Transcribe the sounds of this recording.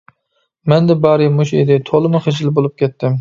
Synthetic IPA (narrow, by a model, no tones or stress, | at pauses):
mɛnd̪ɛbɑːɾɨmuʃḛd̪ɪt̪ʰolˠɨmʊχed͡ʒɪlbolˠup̚kʲɛt̪ʰːɪm